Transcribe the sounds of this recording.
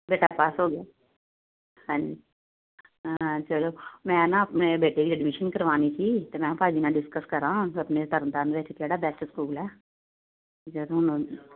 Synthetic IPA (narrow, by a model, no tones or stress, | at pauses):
beːʈapaːsɦoːɡejaː | ɦãːd͡ʒi | t͡ʃəloːmɛ̃ːnaɐpnebeːʈekiɛɖmɪʃənkəɾʋaːnit͡ʃʰit̪omɛ̃ːpaːd͡ʒinaɖɪskəskəɾãːɐpnet̪əɾənt̪aːnbeːʈʰekaːɽaːbɛːsʈskuːlɛː | t͡ʃəloʊn